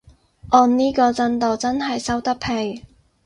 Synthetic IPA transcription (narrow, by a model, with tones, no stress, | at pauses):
ʔɔː˨˧nniː˥kɔː˧t͡sɐ˥nt̪o˨˩wt͡sɐ˥nɦɐ˨jsɐ˥wt̪ɐ˥k̚pʰe˧j